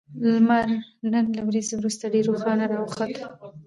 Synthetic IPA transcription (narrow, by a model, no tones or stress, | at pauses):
lmaɾnənlawɾizewɾust̪aɖeɾoxɑnaɾɑwxat̪